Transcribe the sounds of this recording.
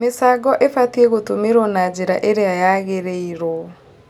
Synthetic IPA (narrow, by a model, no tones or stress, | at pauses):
mesaːɡɔʔefatiɛɣotomeɾɔnad͡ʑeɾaʔeɾeajaɣeɾeiɾɔ